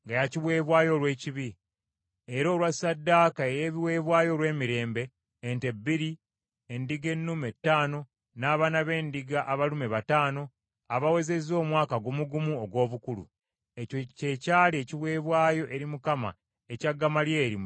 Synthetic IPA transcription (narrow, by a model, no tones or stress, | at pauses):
ŋɡajaciβwe̞ːβwaːjo̞lwe̞ːciβi | eɾo̞ːlwasadːaːkae̞jeβiwe̞ːβwaːjo̞lwe̞ːmiɾe̞ːmbe̞ː | nte̞bːiɾi | endiɡe̞nːume̞tːaːno̞ | naːβaːnaβe̞ːndiɡaʔːβalumeβataːno̞ | aβawe̞ze̞zo̞ːmwaːkaɡomuɡumuoɡwo̞ːβukulṵ | ecoce̞caːlie̞ciβwe̞ːβwaːjo̞ʔe̞ɾimukama̰ | e̞caɡːamalje̞ːɾim